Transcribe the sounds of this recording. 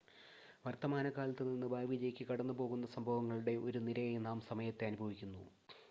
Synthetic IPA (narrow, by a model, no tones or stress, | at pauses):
ʋɐrt̪ːɐmaːnɐkaːlɐt̪ːɨninːɨbʱaːʋiːd͡ʑɐjkʲːɨkɐɽɐnːubo̞ːɣunːɐsɐmbʱɐʋɐŋːɐɭuɽe̞ʔoɾuniɾɐjnaːmsɐmɐjɐt̪ːeɐnubʱɐʋikʲːunːṵ